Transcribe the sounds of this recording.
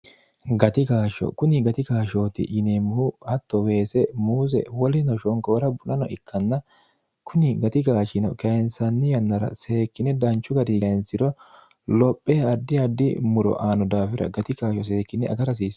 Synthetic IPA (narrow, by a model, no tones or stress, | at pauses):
ɡɐt̪ɪkaːʃɔ̰kʊnɪɡɐt̪ɪkaːʃo̞ːt̪ɪ̰ʔɪneːmʊhʊɐt̪ːɔwe̞ːsɛmuːs̬ɛ̰wɔlɪnɐʃɔŋkoːɾɐbʊnɐnɔ̰ʔɪkːɐnːɐ | kʰʊnɪɡɐt̪ɪkaːʃɪnɔkɐjɛnsɐnːɪjɐnːɐɾɐ̰se̞ːkːɪnɛd̪ɐnt͡ʃːʊɡɐd̪ɪɐɛnsɪd̪ɔ | lɔpʼːeːɐd̪ːɪɐd̪ːɪ̰mʊɾɔ̰ʔaːnɔd̪aːfɪɾɐ̰ɡɐt̪ɪkaːʃɔs̬e̞ːkːɪnɛʔɐ̰ɡɐɾɐs̬iːs